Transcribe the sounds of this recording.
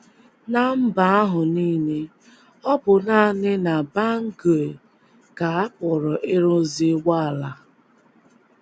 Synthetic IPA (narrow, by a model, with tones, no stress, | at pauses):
na˦m̩˦ba˨a˦ɦʊ˨niː˦ne˦ | ɔ˦bʊ˨na˦˨nɪ˦na˨ba˦ŋ̩˦ɡo˨e˨ | ka˨a˦kɔ˨ɾɔ˨ʔɪ˦ɾʊ˦zi˦wa˦a˨la˦